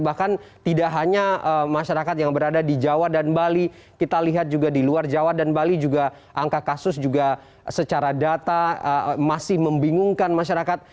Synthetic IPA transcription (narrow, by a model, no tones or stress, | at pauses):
bahkant̪idaʔɦaɲaəmaʃaɾakat̪jaŋbəɾadadid͡ʒawadanbali | kit̪aliɦat̪̚d͡ʒuɡadiluard͡ʒawadanbalid͡ʒuɡa | ʔaŋkakasʊsd͡ʒuɡa | sət͡ʃaɾadat̪aəmasɪhməmbiŋʊŋkanmaʃaɾakat̪̚